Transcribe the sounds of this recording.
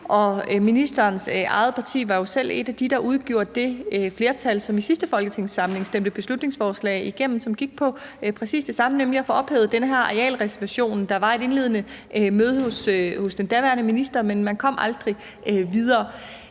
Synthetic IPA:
ʔɒ̽minisd̥ɐːnsɑ̈ɪð̞̩ˠpʰɑ̈t͡sʰḭːʋɑ̈jo̝sel̰e̝d̥æd̥id̥ɑ̈ʔuð̞ˠɡ̥jo̝ɐ̰d̥̚ːe̝fle̝ɐt͡sʰælsɒ̽misisd̥əfɒ̽lɡ̥ət͡sʰe̝ŋsɑ̈mle̝ŋsd̥em̰d̥əb̥e̝slud̥ne̝ŋsfɒːslɛ̰ːɪiɡ̥em̰m̩sɒ̽mɡ̥iɡ̥̚pʰɒ̽ | pʰʁɛsḭːsd̥e̝sɑ̈mənemliæfɔɒ̽b̥hḛʊð̞̩ˠd̥enəɦæɐ̰ɛɛ̰ːlʁɛsɐʋæɕo̝̰ːnd̥ɑ̈ʋɑ̈e̝ɾ̥e̝nle̝ːðˠənəmøːð̞ˠhoshosd̥end̥æɐʋæɐnəminisd̥ɐmenmænkʰɒ̽m̰ʔɑ̈ld̥ʁi | ʋið̞ˠɐː

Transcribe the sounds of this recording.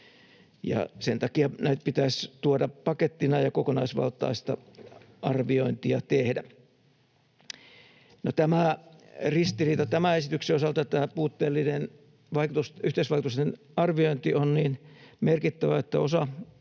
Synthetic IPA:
jɑ̰sent̪ɑkiɑnæit̪̚pit̪æst̪uodɑpɑket̪ːinɑjɑkokonɑisʋɑ̰lt̪ˑɑ̰ist̪ɑ̰ | ɑrʋioint̪iɑt̪ehdæ | not̪æmærist̪iriːt̪ɑt̪æmæesit̪ykseosɑlt̪ɑt̪æːpuːt̪ːeːlːinen | ʋɑikut̪usyht̪eisʋɑikut̪ust̪en | ɑrʋioint̪ionniːnmerkit̪ːæʋæet̪ːæosɑ

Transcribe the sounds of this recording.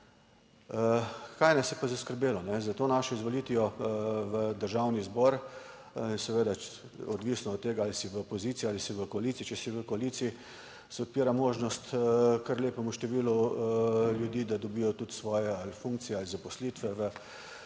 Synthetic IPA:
kajnasjɛpazaskəɾbeːlɔnɛzat̪oːnaʃɔizʋoliːt̪ʋijɔʋəd̪əɾʒawnizbɔɾ | insɛʋeːd̪a | ɔd̪ʋisnɔɔt̪ːeːɡaalisiʋəopɔziːt̪sialisiʋəkɔaliːtsit͡ʃɛsiʋəkɔaliːt̪sii | sɛɔt̪̚piːɾamoːʒnɔst̪kəɾleːpɛmuʃt̪ɛʋiːlu | ljud̪iːd̪ad̪ɔbiːjɔt̪ut̪sʋɔːjɛalfuŋkt̪sijɛalizapɔslit̪ʋɛʋə

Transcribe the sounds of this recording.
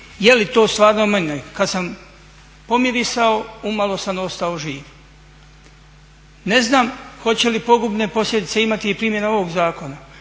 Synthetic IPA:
jelit̪o̞ːst̪ʋaːɾnomeɲekad̪sam | po̞miɾisaoumalˠo̞sano̞st̪aoʒiːʋ | ne̞znaːmxo̞t͡ɕe̞lipo̞ɡubne̞po̞slʎʲe̞d̪it̪se̞imat̪iipɾiːmje̞nao̞ʋoɡzaːko̞na

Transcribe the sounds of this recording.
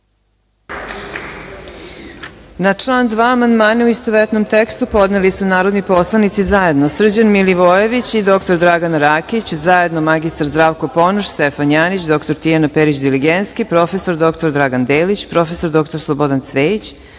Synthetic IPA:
nat͡ʂlˠaːnd̪ʋaːmand̪maːnauist̪oʋet̪no̞mt̪ekst̪upo̞d̪nelisunaːɾod̪nipo̞slˠanit̪sizaje̞d̪nosr̩d͡ʑanmiliʋojeʋit͡ɕid̪o̞kt̪o̞ɾd̪ɾaɡanɾaːkit͡ɕzaje̞d̪nomaɡist̪aɾzd̪ɾaːʋkopo̞noʃst̪efanjaːnit͡ɕd̪o̞kt̪o̞ɾt̪ijanapeɾit͡ɕd̪iliɡent̪skipɾo̞fe̞so̞ɾd̪o̞kt̪oɾd̪ɾaɡand̪eːlit͡ɕpɾo̞fesod̪o̞k̚t̪oɾslˠobo̞d̪ant̪sʋeːit͡ɕ

